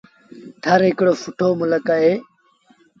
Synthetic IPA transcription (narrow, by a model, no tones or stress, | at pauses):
t̪ʰɐɾikɽoːfuʈʰoːmulɐkae